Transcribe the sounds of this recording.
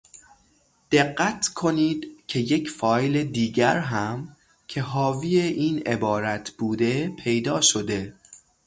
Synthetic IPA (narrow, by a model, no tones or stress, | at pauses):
d̪̥e̞ɢːæt̪ʰkʰo̞niːd̪̥cʰe̞je̞cʰfɒːjled̪iːɟæɾɦæm | cʰe̞ɦɒːvijeʔiːne̞̰bɒːɾæt̪ʰb̥uːd̪e̞pʰe̞jd̪ɒːʃo̞d̪e̞